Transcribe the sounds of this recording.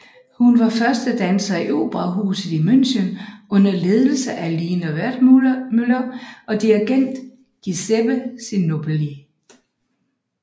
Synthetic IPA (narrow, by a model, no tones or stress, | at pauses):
hunʋɑ̈fɶɐsd̥əd̥ænsɐiʔo̝̰ːb̥ʁɑɦuːsð̩ˠimøn̰ɕənɔ̽n̰ɐle̝ːð̞ˠl̩səʔæliːnɒʋæɐd̥mylɐɒ̽d̥iæɡ̥en̰d̥ | ɡ̥iseb̥əsinːob̥eli